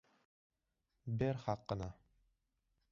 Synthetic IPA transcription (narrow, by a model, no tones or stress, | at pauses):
bɘɾχɑqːɤ̆nɑ